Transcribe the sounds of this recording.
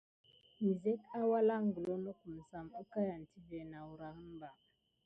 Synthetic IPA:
mi˨ze˦ka˦wa˦la˦ŋɡə˨lo˦no˦ku˨m̩˨sa˨mo˦ka˦ja˨n˨tʰi˦ve˨na˨wu˨ɾa˨hə˦mba˨

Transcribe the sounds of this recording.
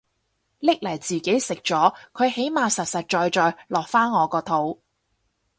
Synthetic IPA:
lɪ˥k̚lɐ˨˩jt͡siː˨ke˨˥jsɪ˨k̚t͡ʃɔː˨˥kʰɵ˨˧ɥhe˨˥jmaː˨˧sɐ˨t̚sɐ˨t̚t͡ʃɔː˨jt͡ʃɔː˨jlɔː˨k̚faː˥nŋɔː˨˧kɔː˧t̪ʰo˨˥w

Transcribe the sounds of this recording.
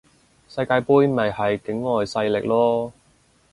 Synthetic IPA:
sɐ˧jkaː˧jpuː˥jmɐ˨jhɐ˨jkɪ˨˥ŋlɔː˨jsɐ˧jlɪ˨k̚lɔː˥

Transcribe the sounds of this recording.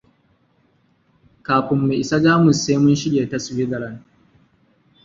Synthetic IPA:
kaː˨ɸɪ˨mːe˨ʔɪ˨sa˦d͡ʒaː˦mʊ˨sːe˦mʊ˦nʃɪ˦ɽeː˨ta˦swi˦ɡɐ˨lɐ˦n

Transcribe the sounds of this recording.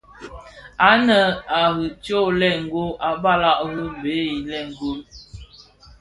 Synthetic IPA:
a˨˦nə˨a˨ɣə˨t͡ʃo˦˨lɛ˦˨ŋ̩˨ɡo˦ʔa˨ba˦la˦˨ʔɣə˦be˨˦i˨lɛ˦˨ŋ̩˨ɡu˦m

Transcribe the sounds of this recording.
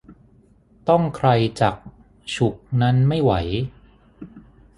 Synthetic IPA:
t̪ɔ˥˩ŋkʰɾa˧jt͡ɕa˨˩k̚ | t͡ɕʰu˨˩k̚na˦˥nma˥˩jwa˩˦j

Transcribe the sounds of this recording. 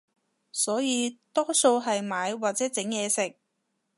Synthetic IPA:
sɔː˨˥jiː˨˧t̪ɔː˥so˧wɦɐ˨jmaː˨˧jwaː˨˩t̚t͡sɛː˨˥t͡sɪ˨˥ŋjɛː˨˧sɪ˨k̚

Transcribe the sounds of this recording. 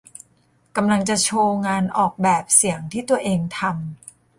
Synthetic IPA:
ka˧mla˧ŋt͡ɕa˨˩t͡ɕʰoː˧ŋaː˧nʔɔː˨˩k̚bɛː˨˩p̚si˩˦əŋt̪ʰiː˥˩t̪u˧ɐʔeː˧ŋt̪ʰa˧m

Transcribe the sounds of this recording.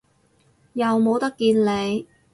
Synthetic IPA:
jɐ˨wmo˨˧wt̪ɐ˥kːiː˧nle˨˧j

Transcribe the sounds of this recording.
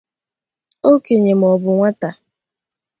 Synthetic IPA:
o˦ke˨ɲe˨m̩ɔ˨bʊ˨ŋʷa˦ta˨

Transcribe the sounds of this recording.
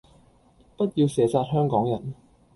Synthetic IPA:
pɐ˥t̚jiː˧wsɛː˨˥saː˧t̚hœː˥ŋkɔː˨˥ŋjɐ˨˩n

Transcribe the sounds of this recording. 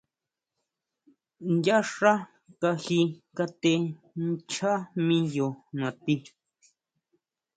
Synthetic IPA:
nd̪ʲja˦ʂa˦ | ka˧hi˧ka˧t̪e˧ | n˦t͡ʃʰa˦mĩ˦jo˨nã˨t̪i˧

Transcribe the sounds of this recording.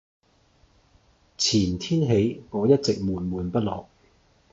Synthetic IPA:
t͡sʰiː˨˩nt̪ʰiː˥nɦe˨˥jkɔː˨˥jɐ˥t̚t͡sɪ˨k̚muː˨˩nmuː˨˩npɐ˥t̚lɔː˨˩k̚

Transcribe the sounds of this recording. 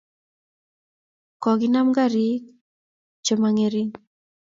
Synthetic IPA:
kɔ˨ɡi˨na˦mɡa˦˨ɾi˦k̚ | t͡ʃo˨ma˨ŋe˨ɾi˦ŋ

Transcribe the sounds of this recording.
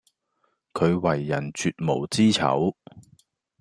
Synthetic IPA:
kʰɵ˨˧ɥwɐ˨˩jːɐ˨˩nt͡ʃyː˧t̚mo˨˩wt͡siː˥t͡sʰɐ̰˨˥w

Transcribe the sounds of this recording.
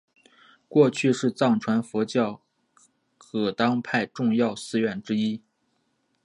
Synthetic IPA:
kwɔ˥˧t͡ɕʰy˥˧ʂɻ̩˥˧t͡sɑ˥˩ŋʈ͡ʂʰwa˧˥nfɔ˧˥t͡ɕjɑ˥˩ʊ | kʰɤ˨˩t̪ɑ˥ŋpʰa˥˧ɪʈ͡ʂʊ˥˧ŋjɑ˥˩ʊsɹ̩˥ɥɛ˥˩nʈ͡ʂɻ̩˥i˥

